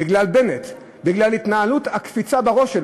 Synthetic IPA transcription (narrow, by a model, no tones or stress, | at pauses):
iɡlalbe̞net̪ | biɡlalit̪naaluthakfit͡sabeʁo̞ʃel